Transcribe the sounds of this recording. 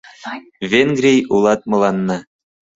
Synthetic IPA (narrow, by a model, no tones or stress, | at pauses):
vʲenɡrʲijulˠɑt̪̚mɤ̆lˠɑnːɑ